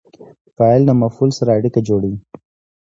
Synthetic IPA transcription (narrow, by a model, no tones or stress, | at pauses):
faalnamafulsaɾaːɽikad͡ʒoɽai